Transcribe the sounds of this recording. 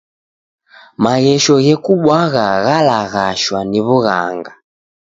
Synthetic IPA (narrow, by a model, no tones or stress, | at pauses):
maɣɛʃɔɣɛkuɓwaɣaɣalaɣaʃwaniβuɣa̰ŋɡa